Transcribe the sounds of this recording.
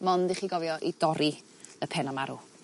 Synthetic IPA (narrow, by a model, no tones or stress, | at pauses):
mɔndiχiːɡɔvjɔʔidɔɾi | əpʰɛnamaɾu